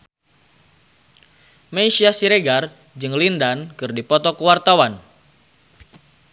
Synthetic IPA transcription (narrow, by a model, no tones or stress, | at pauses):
meʃiasiɾeɡar | d͡ʒɨŋlindankɨrdipɔt̪ɔkəwart̪awan